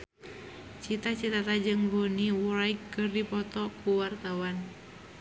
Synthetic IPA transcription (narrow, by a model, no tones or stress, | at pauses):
t͡ʃit̪at͡ʃit̪at̪ad͡ʒɨŋboniwɾaikːɨrdipɔt̪ɔkuwart̪awan